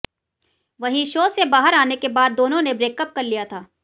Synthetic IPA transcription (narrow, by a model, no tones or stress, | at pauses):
ʋɐɦĩʃoːsebaːɦəɾaːnekebaːd̪ːoːnõnebɾeːkəp̚kɐɾlijat̪ʰaː